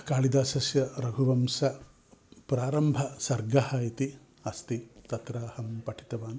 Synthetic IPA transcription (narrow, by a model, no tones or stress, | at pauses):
kaːlid̪aːsɐsjɐɾɐɡʱuʋɐmsɐ | pɾaːɾɐmbʱɐsɐɾɡɐhɐːit̪i | ɐst̪it̪ɐt̪ɾaːhɐmpɐʈʰi̥t̪ɐʋaːn